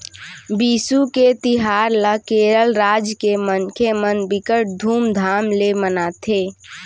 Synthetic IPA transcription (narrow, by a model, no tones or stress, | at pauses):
biːsuket̪iɦaːɾlakeːɾəlɾaːd͡ʒkemənkʰemənbikəʈ̚d̪ʱuːmd̪ʱaːmlemənat̪ʰeː